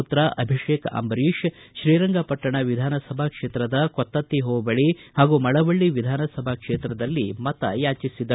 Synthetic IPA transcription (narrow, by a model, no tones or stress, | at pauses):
ut̪ɾaʔɐbʱiʂeːkɐ̰ʔɐ̰mbɐɾiːʂ | ʃɾiːɾɐŋɡɐpɐʈːɐɳɐʋid̪ʱaːnɐsɐbʱakʂeːt̪ɾɐd̪ɐkɔt̪ːɐt̪ːiɦoːbɐɭihaːɡumɐɭɐʋɐɭːiʋid̪ʱaːnɐsɐbʱakʂeːt̪ɾɐd̪ɐlːimɐt̪ɐ̰jaːt͡ʃisid̪ɐ